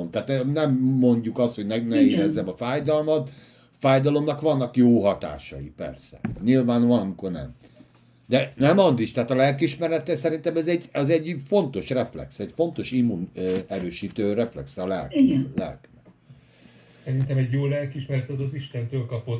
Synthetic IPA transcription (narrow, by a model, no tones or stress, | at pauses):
omt̪aːt̪nɛnɛmːo̞ɲɟukɒst̪ho̞ɟnɛnɛeɾɛzːɛmɒfaːjd̪ɒlmɒt̪ | faːjd̪ɒlo̞mnɒkʋɒnːɒkjoːɦɒt̪a̰ːʃɒ̰jipɛ̰rsɛ̰ɲilvaːnoɒnɒmiko̞rnɛ̰m | d̪ɛnɛmɒnd̪iʃt̪aːt̪ɒlɛlkiʃmɛɾɛt̪ɛsɛɾint̪ɛmɛzɛɟɛzɛɟːfo̞nt̪o̞ʃrɛflɛ̰ksɛɟfo̞nt̪o̞ʃimːunɛɾøːʃiːt̪øːrɛflɛ̰ksɛɒlɛ̰lklɛ̰lkn | sɛɾint̪ɛmɛɟjoːlɛlkiʃmɛɾɛt̪ɛzɒziʃt̪ɛnt̪øːlkɒpot̪